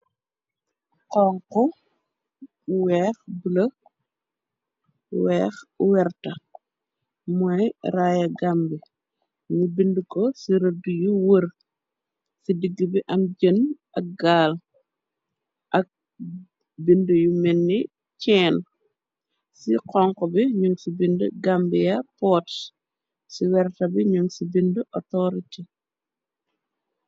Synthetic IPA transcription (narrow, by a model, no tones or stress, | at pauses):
qɔːŋkɔ | wɛxbulɐ | wɛːxwɛɾtɐ | mɔjɾajɐɡambi | ɲubindukɔsiɾɐdujuwəɾ | sidiɡːibiʔɐmɟən | ɐk̚ɡaːl | ʔɐk̚ | bindujumɛnːi | t͡ʃɛːn | siqɔŋkɔbiɲuŋsibinduɡambijɐpɔːt | siwɛɾtɐbiɲuŋsibinduʔɔtɔɾiti